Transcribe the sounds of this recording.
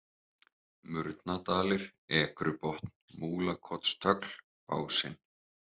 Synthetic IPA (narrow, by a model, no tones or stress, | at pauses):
mʏɾt̪nat̪aːlɪɾ̥ɛːkɾʏpɔht̪n̥muːlakʰɔt̪st̪ʰœkl | pa̰ːwsɪn